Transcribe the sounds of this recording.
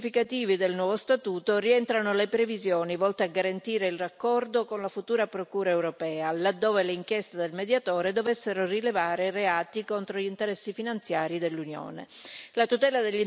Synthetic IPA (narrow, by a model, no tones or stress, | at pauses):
fikat̪iːvid̪elnwɔːvost̪at̪uːt̪oriɛnt̪ɾanolepɾevizjoːnivɔlt̪eaɡaɾant̪iːɾeilrakːɔrd̪okonlafut̪uːɾapɾokuːɾaewɾopɛːalad̪ːoːveleiŋkjest̪ad̪elmed̪jat̪oːɾed̪ovesːeɾorilevaːɾereaːt̪ikont̪ɾoʎint̪eɾɛsːifinant̪sjaːɾid̪elːunjo̰ːnḛlat̪ut̪ɛːlad̪eʎːi